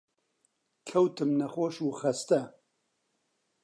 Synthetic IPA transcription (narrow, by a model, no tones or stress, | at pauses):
kʰɛwt̪ɨmnɐxoːʃuːxɐst̪ɛ